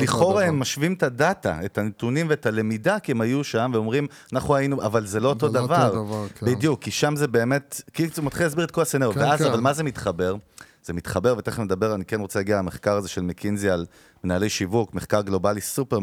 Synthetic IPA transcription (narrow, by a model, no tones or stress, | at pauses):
liχo̞ʁaemːaʃvimtadata̰e̞tanetunimveetale̞midakiemajuʃamveo̞mʁim | anaχuainuʔavalzelo̞otod̪avaʁvbid̪jukːiʃamzebe̞ːme̞tkimat̪χilas̬biʁt̪kolaseneʁjoveazavalmaze̞mitχabe̞ʁ | z̥emitχabe̞ʁvet̪eχenmed̪abe̞ʁanikenʁot͡selaɡialameχkaʁaze̞ʃelmekʰinzial | menaːle̞jʃivukmeχkaʁɡlo̞balisupe